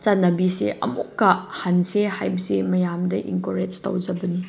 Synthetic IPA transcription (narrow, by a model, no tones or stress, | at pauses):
t͡ʃanɐbisḛʔɐ̰mukːɐhansehajbsemɐjamdɐʔḭŋkoɾed͡ʒtɐ̰wzɐbɐni